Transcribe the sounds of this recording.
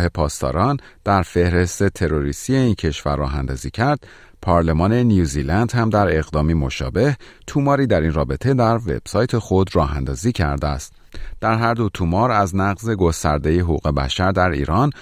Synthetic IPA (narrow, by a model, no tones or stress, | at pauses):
he̞pʰɒːst̪ɒ̰ːɾɒːnd̪̥æɾfe̞hɾe̞st̪e̞t̪ʰe̞ɾo̞ɾist̪ie̞iːncʰe̞ʃvæ̰ɾːɒ̰ːɦænd̪ɒ̰ːziːcʰæɾd̪̥̚ | pʰɒːɾle̞mɒːne̞njuːziːlænd̪hæmd̪æɾe̞ɣd̪ɒːmimo̞ʃɒ̰ːbe̞h | t̪ʰumɒːɾiːd̪æɾiːnrɒːbe̞t̪ʰe̞d̪æɾve̞̰b̥sɒːjt̪ʰe̞xo̞d̪rɒːɦænd̪ɒːziːcʰæ̰ɾd̪eæ̰st̪ | d̪̥æɾɦæɾd̪o̞t̪ʰumɒːɾæznæɣze̞ɡo̞st̪æ̰ɾd̪e̞jeɦoɣṵːɣe̞bæ̰ʃæɾd̪æɾḭːɾɒːn